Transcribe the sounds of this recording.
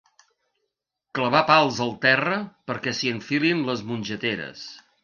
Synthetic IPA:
kləβ̞apalˠzəlˠt̪ɛrəpəɾkɛsiəɱfilinləzmunʲʒət̪eɾə̰s

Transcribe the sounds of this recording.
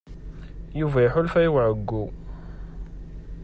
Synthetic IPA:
juvæjħʊlfæjəwʕəɡːu

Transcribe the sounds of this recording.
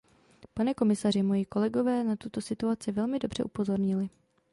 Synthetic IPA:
panɛko̞mɪsarɪmojiko̞lɛɡo̞vɛːnat̪ut̪o̞sɪt̪uat͡sɪvɛlmɪdo̞br̝ɛ̰ʔupo̞zo̞ɾɲɪlɪ

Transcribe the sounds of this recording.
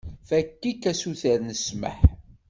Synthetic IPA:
fækːikːæsuθəɾnəsmə̰ħ

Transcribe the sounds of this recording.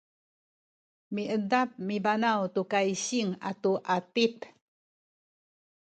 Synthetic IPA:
miʔədap̚mibanawtukajɕiŋa̰tuʔatip

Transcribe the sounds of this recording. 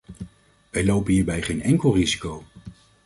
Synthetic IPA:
ʋɛjlowpənɦiːɹbɛjχejnɛŋkəlˠrizikow

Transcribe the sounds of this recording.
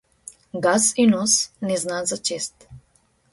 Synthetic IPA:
ɡasinɔsnɛznazat͡ʃest̪

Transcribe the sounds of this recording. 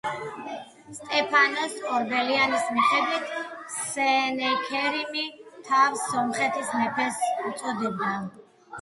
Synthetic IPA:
st̪ʼɛpʰanɔskʼɔɾbɛlianismiχɛd̪wit̪ʰsɛnɛkʰɛɾimit̪ʰafsɔmχɛt̪ʰisnɛpʰɛsut̪sʼɔd̪ɛbna

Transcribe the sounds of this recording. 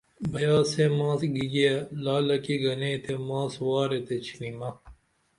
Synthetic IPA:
bɐjaːsemãːsɡiɡɐlaːlɐkiɡɐnẽːt̪ʰemãːswaːɾet̪et͡ɕʰinimɐ

